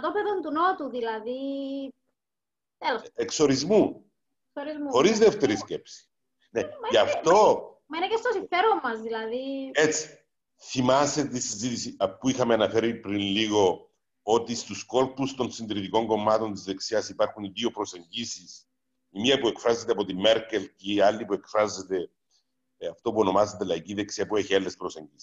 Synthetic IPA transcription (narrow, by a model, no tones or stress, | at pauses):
t̪opeðont̪unot̪uðilɐði | elosekso̞ɾizmu | ksoɾizmuxo̞ɾizðeft̪e̞ɾisce̞psi̥ | nemɐɐft̪o̞ | mɐinecest̪osife̞ɾomːɐzðilɐðiet͡sːi̥ | θimɐset̪eisizit̪isiɐpuixɐmeɐnɐfe̞ɾipɾinliɣo̞ | ot̪ist̪usko̞lpust̪o̞nsind̪ɾit̪iko̞ŋɡo̞mːɐt̪o̞nt̪izðe̞ksiɐsipaɾxuniðio̞pɾo̞se̞ɲɟisis | imiɐpue̞kfɾazːet̪eɐpo̞t̪ime̞ɾkelcealːipue̞kfɾazːet̪e̞ | ɐft̪o̞puo̞no̞mazet̪elɐiciðeksiɐpueçielːespɾoseɲɟisi̥